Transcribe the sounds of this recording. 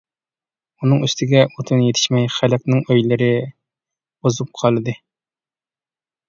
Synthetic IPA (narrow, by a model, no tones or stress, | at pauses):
unɨŋyst̪ʰɪɡʲɛot̪ʰɨnjet̪ʰɪ̥ʃmɛjχælɛk̚ʲnɪŋøjlɪɾɪ | bozup̚qʰɑlˠɨd̪ɨ